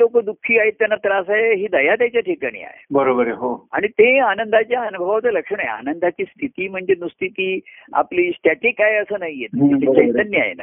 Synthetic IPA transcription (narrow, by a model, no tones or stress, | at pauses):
lokəd̪ukʰːiːaɦit̪ːjanat̪ɾasaeɦiːd̪əjat̪jat͡ɕjaʈʰikaɽ̃ḭːa̰jḛbəɾobəɾeɦoa̰ɽ̃it̪eanənd̪ʱat͡ɕjaənubʱəʋat͡sələkʂəɳaḛa̰nənd̪ʱat͡ɕiːst̪ʰit̪iːm̤əɳd͡zenust̪ʰit̪iːa̰pliːsʈɛʈikaɦeəsəːnaɦijet̪it͡ɕəit̪ənːəa̰jḛna̰